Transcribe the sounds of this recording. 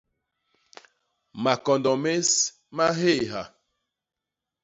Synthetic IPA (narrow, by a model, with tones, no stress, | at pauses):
ma˨kɔ˨ndɔ˨me˦s | ma˦ɦe˦˨ɦa˨